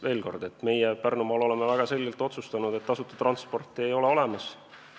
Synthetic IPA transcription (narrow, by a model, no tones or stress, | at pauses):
ve̞ːlko̞̰rd̪e̞t̪ːme̞jepærnumɑlo̞lemevæɡ̥ɑse̞lʲɡilt̪o̞t̪sust̪ɑnud̪e̞t̪ːɑsut̪ːɑ̥t̪rɑnspo̞rt̪ːˑie̞jo̞leo̞le̞mɑs